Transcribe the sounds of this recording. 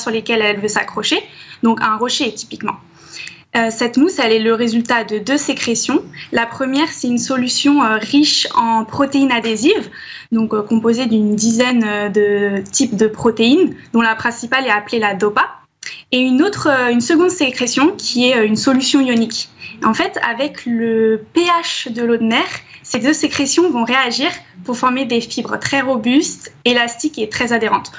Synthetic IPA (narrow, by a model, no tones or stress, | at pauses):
syʁlekʲɛlɛlvøsa̰kχɔʃed̪ɔ̃kɛ̃ʁɔʃet̪i̥pikmɑ̰̃ | øsɛt̪musɛlɛləʁezylt̪ad̪əd̪øsekχesjɔ̃lapχəmjɛʁsɛynsɔlysjɔ̃øʁiʃɑ̃pχɔt̪einad̪eziv | d̪ɔ̃kkɔ̃pozed̪ynd̪izɛnød̪ət̪ipd̪əpχɔt̪eind̪ɔ̃lapχɛ̃sipalɛaplelad̪ɔpa | eynot̪χøynsəɡɔ̃d̪sekχesjɔ̃kʲʰiɛøynsɔlysjɔ̃ijɔnikʲɑ̃fɛt̪a̰vɛkləpeaʃd̪əlod̪mɛʁsed̪øsekχesjɔ̃vɔ̃ʁeaʒiʁpuʁfɔʁmed̪efibʁt̪χɛʁɔbyst̪elast̪iket̪χɛzad̪eʁɑ̃t̪